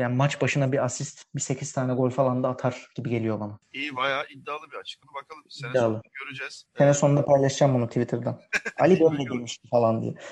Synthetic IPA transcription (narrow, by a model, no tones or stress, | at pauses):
jaːnmat͡ʃbaʃɯnabiasist̪bise̞cʰiz̥t̪ʰaːnɛɡo̞lʲfalˠand̪aːt̪ʰaɾ̥ɟ̥ibiɟe̞lijo̞banaiːvajaːid̪ːaːlˠɯbiat͡ʃ̪bakʰalˠɯid̪ːaːlˠɯøɾyd͡ʒɛz̥senɛso̞nund̪apʰajlˠaʃd͡ʒaːmbunut̪ʰivit̪ʰɯɾd̪ana̰lʲibølmɛd̪emiʃt̪ʰifalˠand̪ḭjɛ̰